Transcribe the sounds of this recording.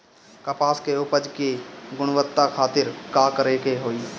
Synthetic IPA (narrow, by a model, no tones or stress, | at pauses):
kəpaːskeʊpəd͡ʒkiɡʊɽ̃ʋət̪ːakʰaːt̪ɪɾkaːkəɾekeɦoːiː